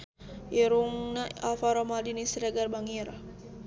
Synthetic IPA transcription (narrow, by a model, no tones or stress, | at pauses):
iɾuŋnaalfaɾɔmaldinisɾaɡarbaŋiɾa